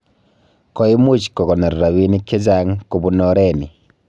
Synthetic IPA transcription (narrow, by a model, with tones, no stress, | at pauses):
kɔ˦i˦mu˦t͡ʃkɔ˨kɔ˨na˨ɾːa˨wi˦ni˦kːe˦za˦ŋku˨bu˦nɔ˦ɾɛ˦ni˨